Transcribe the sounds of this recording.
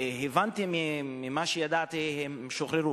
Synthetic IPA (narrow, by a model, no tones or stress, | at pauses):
hevant̪imimimaʃejad̪at̪ihemʃoχɾeɾu